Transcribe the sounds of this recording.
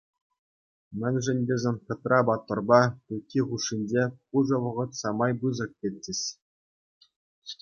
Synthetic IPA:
mʲɘ̆nʲʐɘ̆nʲdʲezʲenʲkʲɤ̆t̪rʔɑbɑt̪ːɤ̆rbɑtukʲːiʁuʂːinʲd͡ʑepuʐɤ̆ʋɤ̆ʁɤ̆t̪sɑmɑjbɯzɤ̆k̚kʲelʲtʲːesʲ

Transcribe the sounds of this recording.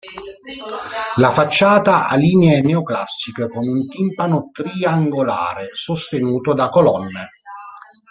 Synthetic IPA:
lafat͡ʃːaːt̪aʔaliːneneoklasːikekomeunt̪impanot̪ɾiaŋɡola̰ːɾesost̪enuːt̪od̪akolɔnːe

